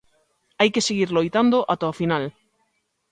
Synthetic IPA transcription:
ajkeseɣiɾlojt̪and̪oʔat̪ofinal

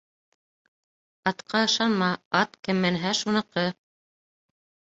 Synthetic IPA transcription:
ɑt̪qʰɑɤ̆ʃɑnmɑɑt̪kɘmːæ̆nɦæʃunɤ̆qɤ

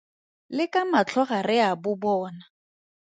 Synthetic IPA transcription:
lɪkamat͡ɬʰɔɣarɪabʊbɔːna

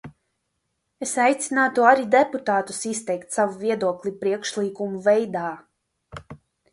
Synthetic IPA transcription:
esajt̪sinaːt̪uaɾid̪eput̪aːt̪u̥sist̪ɛjkt̪savuviɛd̪uɔklʲipɾiɛkʃlˠiːkumuvɛjd̪aː

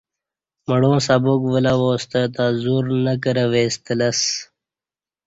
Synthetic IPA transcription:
məɽõːsabokʋəlawoːst̪ət̪azuːɾnək̬əɾəʋeːst̪ələs

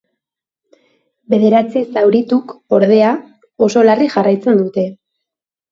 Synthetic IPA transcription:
be̞ðe̞ɾat͡sisawɾit̪uko̞ɾð̞e̞a | o̞so̞lariʝarajt͡se̞nd̪ut̪e̞

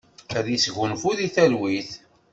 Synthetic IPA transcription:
æðjisʝʊnfuðiθælwiθ

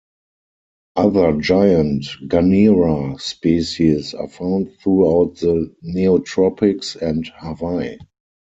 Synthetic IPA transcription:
ʔaðə˞d͡ʒaɪə̃ntɡaniɹaspisisa̰fãʊ̃ntθɹuaʊt̚ðəniotʰɹɔpɪksɛ̃nthavaɪ

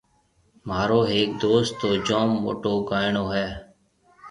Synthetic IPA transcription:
maːɾoːɦeːk̚d̪oːst̪ːoːd͡ʒoːmːo̰ːʈoːɡaːɪɳoːɦɛː

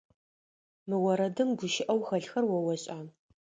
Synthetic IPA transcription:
mɨwɐɾɐdɨmɡʷʊʃɪʔɐwxɐɬxɐrwɐwɐɕʼaː

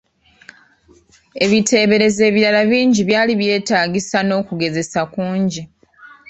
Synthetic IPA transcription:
e̞βitʰe̞ːβe̞ɾe̞ze̞ːβiɾalaβiːɲɟiβjaːliβje̞ːtaːɟisano̞ːkuɡe̞ze̞sakuːɲɟi

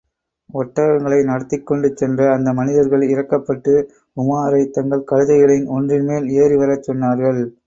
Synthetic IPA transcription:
ɔʈːɐɐŋɡɐɭɐɪnɐɽɐt̪ːɪkːɔɳɖɯt͡ʃːɛndrɐːnd̪ɐmɐnɪðɐɾɣɐɭɪɾɐkːɐpːɐʈːɯ | ʊmaːɾɐɪt̪ːɐŋɡɐɭkɐɻɯðɐɪɣɐɭɪnɔndrɪnmeːleːriʋɐɾɐt͡ʃːɔnːaːɾɣɐɭ

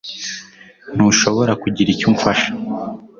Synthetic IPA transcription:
n̥uʃo̞βo̞ɾakuɟiɾicuːɱfaʃḁ

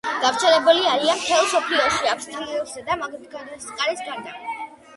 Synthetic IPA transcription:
ɡ̥aft̪sʰɛlɛbuliaɾianmt̪ʰɛlˠsɔpʰliɔʃiakʷʰst̪ʰliɔszɛd̪amaɡt̪ɡʰad̪ɾɛsqʼaɾisɡaɾd̪a

